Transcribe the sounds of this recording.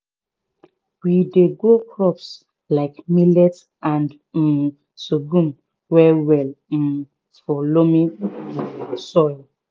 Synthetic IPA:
wideɡokɹɔps | laɪkmilɛt | ãnd̩ | soɡũm | wɛwɛl̩ | fɔlomĩ | sɔɪl

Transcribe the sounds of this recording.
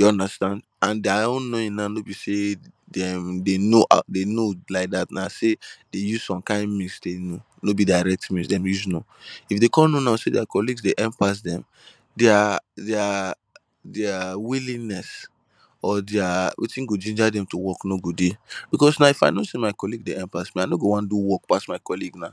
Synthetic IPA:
deɔ̃ndastãnd | ãndeaõnnoĩnnanobisedɛmdenoʔa̰denolaɪk̚datnased̥ejuz̥sɔ̃mkãɪ̃nmĩsdeno | nobidaɪɹɛk̚tmĩsdɛ̃mjuznoifdekɔ̃nonasedɪakɔliɡsdeʔɛ̃mpas̬dɛ̃m | deadɛa | dawilĩnɛs | ɔdɛawʔḛtĩnɡod͡ʒĩnd͡ʒadɛ̃mtuwɔknoɡuddeb̥ikɔsnaifaɪnosemaɪkɔliɡdeɛ̃mpasmiaɪnoɡowãnduwɔk̚pasmaɪkɔliɡna

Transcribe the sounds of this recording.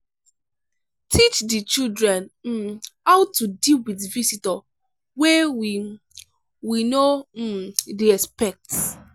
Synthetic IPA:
tʰit͡ʃdit͡ʃildɹɛ̃n̩ | hawtudilwidvisitɔ | wɛwi | wino | diɛspɛk̚t

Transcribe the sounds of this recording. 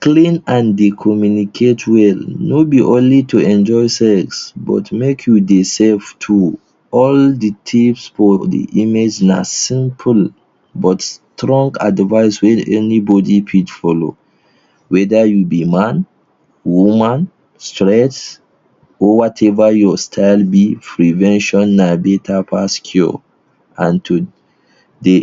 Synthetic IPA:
klĩnãndikʰɔmjunikʰetʰwɛlnobiʔõnlitʰuɛ̃nd͡ʒɔɪsɛksbɔ̰tmekʰjudesɛlftʰu | ɔldətʰipsfɔdḭʔimed͡ʒna̰sĩmpʰəl | bɔtstɹɔ̃ŋɡa̰dvaɪswɛ̃nɛnibɔdipʰidfɔlo̰ | wɛdajubimãn | wumãn | stɹɛ̃s | ɔwɔtʰɛvajɔstʰaɪlbipʰɹivɛ̃nʃɔ̃nːabetʰapʰaskʰjṵ | ãntʰu | de

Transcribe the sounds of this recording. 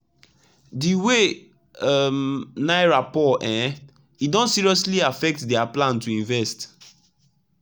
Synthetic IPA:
diwe | mnaɪɹapɔʔɛ̃ | idɔ̃nsiɹiɔsliafɛk̚tdɛaplãntuĩɱvɛst

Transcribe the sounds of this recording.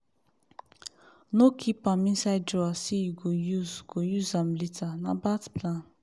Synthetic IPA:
nokʰipãmĩnsaɪddɔasijiɡojuzɡ̥ojuzãmlitanabatplãn

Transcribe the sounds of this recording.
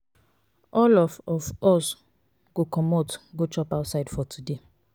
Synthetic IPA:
ɔlɔvɔvɔs | ɡ̥okɔmotɡot͡ʃɔpaʊtsaɪdfɔtʰude

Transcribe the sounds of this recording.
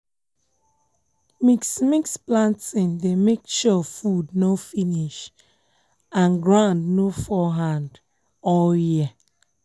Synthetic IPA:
miksmiksplãntĩndemek̚t͡ʃɔfudnofiniʃ | ãnɡɹãndnofɔɦãnd | ɔlji

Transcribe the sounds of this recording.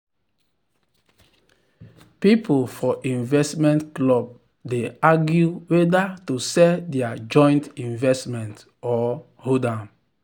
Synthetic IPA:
pipolfɔʔĩnvɛstmɛ̃ntklɔb̚ | deaɡjuwedatusɛdɛad͡ʒɔ̃j̃ntĩnvɛstmɛ̃nt | ɔ | hodãm

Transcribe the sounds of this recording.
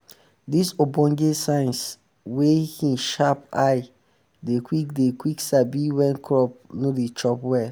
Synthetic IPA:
disobɔ̃ŋɡesãns | wekĩnʃapaɪ | dekwikdekwiksabiwɛ̃nkʰɹɔp̚nodet͡ʃɔpwɛ

